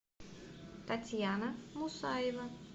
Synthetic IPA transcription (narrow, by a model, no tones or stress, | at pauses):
t̪atʲjanɐmusajɪvɐ